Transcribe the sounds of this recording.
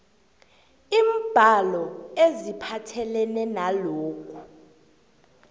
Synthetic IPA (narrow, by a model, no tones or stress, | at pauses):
iːm̩b̥ʱalɔezipʰatʰɛlɛnɛnaloːkʰʼu